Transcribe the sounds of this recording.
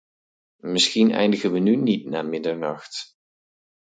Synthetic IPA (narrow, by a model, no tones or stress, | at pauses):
mɪsxinɛ̰jndəɣənʋənynitnaːmɪdəɹnɑxt